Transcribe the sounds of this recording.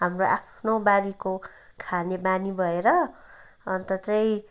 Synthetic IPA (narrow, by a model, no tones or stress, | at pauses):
ɦamroʔapʰnobaɾiko | kʰanebanibʱʌeɾʌː | nt̪ʌt͡saĩ